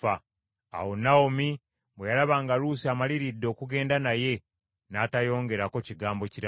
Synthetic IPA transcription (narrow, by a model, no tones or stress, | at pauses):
a | a̰wonaomi | βwejalaβaːŋɡaluːsiamaliɾidːo̞ːkuɡe̞ːndanaje̞ | naːtajo̞ːŋɡe̞ɾako̞ciɡaːmbo̞ciɾa